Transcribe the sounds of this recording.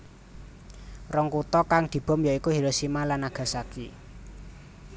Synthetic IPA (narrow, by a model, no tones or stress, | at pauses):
rɔŋkut̪ɔkaŋd̪̥i̤b̥ɔ̤mjaikuɦiɾosimalanaɡ̥ä̤saki